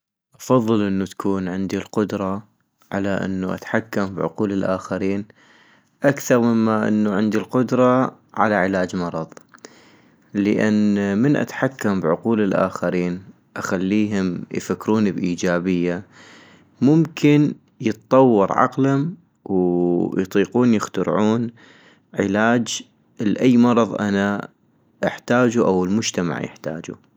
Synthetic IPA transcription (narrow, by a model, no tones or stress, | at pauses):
ʔɑfɑðˤːɨlʔɪnːut̪ḁkʰuːnʕɪnd̪ilqʊd̪ɾˤɑ | ʕalaʔɪ̰nːuʔa̰t̪ħakːambʕʊ̰quːlɪlʔaːxaɾiːn | ʔakθɑɾˤmɪmːaʔɪ̰nːuʕɪnd̪ilqʊd̪ɾˤɑ | ʕa̰laʕɪlaːd͡ʒmɑɾˤɑðˤ | ləʔanːmənʔa̰t̪ħakːambʕʊquːlɪlʔa̰ːxaɾiːn | ʔaxalːiːɦʊmjfakːɾuːnibʔiːd͡ʒaːbɪjːa | mʊmkʰɪn | jɨt̪t̪ˤɑwːɑɾʕɑ̰qlhʊm | wjt̪ˤiːquːnjɪxt̪ʊɾʕuːn | ʕɪlaːd͡ʒ | ʔlʔajːmɑɾˤɑðˤʔa̰na | ʔɪħt̪aːd͡ʒuʔawɪlmʊd͡ʒt̪ama̰ʕjɪ̰ħt̪a̰ːd͡ʒṵ